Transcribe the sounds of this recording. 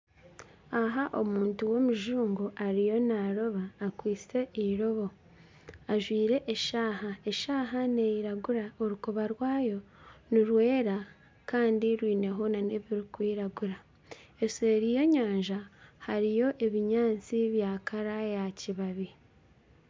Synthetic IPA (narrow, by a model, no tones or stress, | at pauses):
aɦaʔo̞muːntuwo̞muʒuːŋɡuʔaɾijo̞naɾo̞βaːkwiːt͡se̞ʔiɾo̞βo̞ | aʒwiːɾe̞ʔːʃaːɦaeʃaːɦane̞jiɾaɡuɾaoɾukoβaɾwaːjo̞niɾwe̞ːɾa | kaːndiɾwiːne̞ɦonaneβiɾikwiːɾaɡuɾa | eseːɾijo̞ɲaːɲʒahaɾijo̞ʔe̞βiɲaːt͡siβjaːkʰaɾajaciβaβi